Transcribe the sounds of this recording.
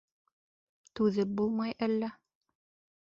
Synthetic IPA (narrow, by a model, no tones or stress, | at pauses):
t̪ʉðɘp̚bulˠmɑjælːæ